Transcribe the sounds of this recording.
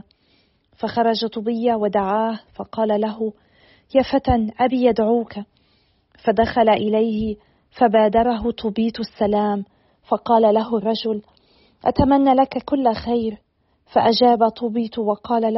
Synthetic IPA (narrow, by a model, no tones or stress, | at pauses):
faxɑɾˤɑd͡ʒat̪ˤʊbɪjːawad̪aʕaːhfɑqɑːlalaɦʊ | jaːfat̪anʔabiːjad̪ʕuːka | fad̪axalaʔɪlajhɪ | fabaːd̪ɑɾˤɑɦʊt̪ˤʰʊbiːt̪asːalaːm | fɑqɑːlalaɦʊrˤːɑd͡ʒʊl | ʔa̰t̪amanːalakakʊlːxajɾ | faʔad͡ʒaːbat̪ˤʊbiːt̪wɑqɑːlal